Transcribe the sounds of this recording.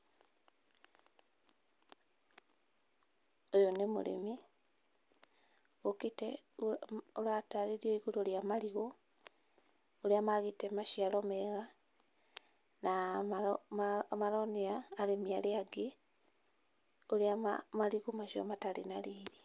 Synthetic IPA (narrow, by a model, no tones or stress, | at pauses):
ojonemo̰ɾḛmi | oketɛ | oɾataɾeɾioiɣoɾoɾjamaɾiɣo | oɾeamaɣetɛmaʃiaɾɔmɛɣa | na | maɾɔniaːɾemiaɾeaɡe | oɾeamaɾiɣomaʃɔ̰mataɾḛnaɾiːɾi